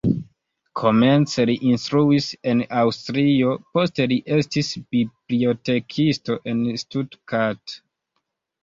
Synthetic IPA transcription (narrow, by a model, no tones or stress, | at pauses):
kʰo̞me̞nt͡seliʔinstɾuise̞nawstɾio̞po̞steliʔe̞stisb̥ibliote̞kʰisto̞ʔenstudkat